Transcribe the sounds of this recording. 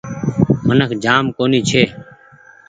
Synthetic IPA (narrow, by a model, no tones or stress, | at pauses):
mənəkʰd͡ʒaːmkoːniːt͡ʃʰeː